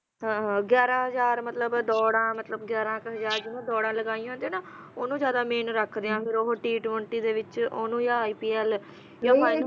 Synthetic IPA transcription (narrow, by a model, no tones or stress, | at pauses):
ɦãɦɡjɛːɾãːɦəzaːɾmət̪ləbd̪ɔːɽãːmət̪ləbɡjɛːɾãːkɦəzaːɾd͡ʒɪʋãːd̪ɔːɽãːləɡaːiːãɦːnd̪eːnaː | oːnũːd͡ʒjaːd̪aːmeːnɾəkʰd̪eːãːpɪɾoɦʈiːʈʋəɳʈiːd̪eːʋɪt͡ʃoːnũːjãːiːpiːɛːl | jãːaː